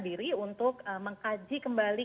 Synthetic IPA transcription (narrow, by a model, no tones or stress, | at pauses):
diɾiunt̪ʊk̚əməŋkad͡ʒikəmbali